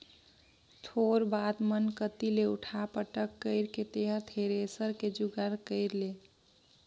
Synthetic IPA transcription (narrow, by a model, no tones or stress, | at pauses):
t̪ʰoɾbat̪mənkət̪ileuʈʰapəʈəkːəɪɾket̪eɦəɾt̪ʰeɾesəɾked͡ʒuɡəɾkəɪɾle